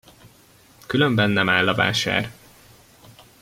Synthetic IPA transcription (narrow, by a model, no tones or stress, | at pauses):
kylømbɛnːɛmaːlːɒva̰ːʃa̰ːr